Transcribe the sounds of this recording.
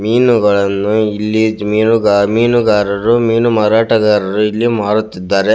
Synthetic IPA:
miːnuɡɐɭɐnːuilːimiːnuɡamiːnuɡaːɾɐɾumiːnumaɾaːʈɐɡaːɾɐɾuilːimaːɽut̪ːid̪ːaːɾe̞

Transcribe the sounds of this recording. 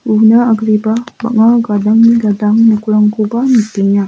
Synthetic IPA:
unaaɡɾibaba̰ʔŋaɡadaŋniɡadaŋnəkulaŋkubamit̪iɲa

